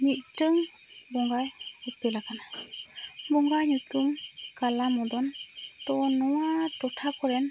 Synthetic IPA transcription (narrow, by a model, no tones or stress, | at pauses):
mit̚tɯŋ | bɔŋɡaj | uk̚telakana | bɔŋɡajnutuŋ | kalamɔdɔn | tɔnɔwatɔtʰakʰɔɾɛn